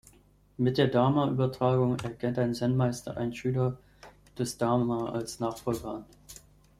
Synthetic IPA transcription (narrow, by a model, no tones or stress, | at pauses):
mɪt̚d̥eːɐdaːmaʔyːbɐtʁ̥aːɡʊŋɛɐkʰɛntʔaɪnzɛnmaɪstɐ̰ʔa̰ɪnʃyːlɐ | d̥ɛsd̥aːmaːʔa̰lsnaːχfɔlɡɐan